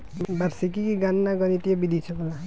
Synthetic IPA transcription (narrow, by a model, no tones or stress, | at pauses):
baɾsikikiɡanːaɡʌnit̪ijebid̪ʱit͡ʃʰʌkɔla